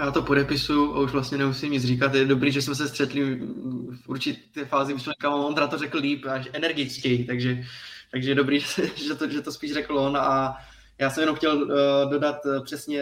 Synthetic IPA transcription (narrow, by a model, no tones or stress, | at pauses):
jaːt̪o̞po̞dɛpɪsujuʔa̰uʒvlast̪ɲɛnɛmusiːmɲɪd͡zriːkat̪jɛdobɾiːʒɛsmɛs̬ɛst̪r̥ɛt̪lɪ | fʔuɾt͡ʃɪt̪ɛːfaːzɪmɪsmɛkamamont̪nat̪orɛkl̩liːpaʃʔɛnɛɾɡɪt͡skɛjt̪aɡʒɛt̪aɡʒɛjɛdobɾiːʒɛsɛʒɛt̪oʒɛt̪ospiːʃrɛkl̩onaa | jaːsɛmjɛnomxcɛldo̞dat̪pr̝̥ɛsɲɛ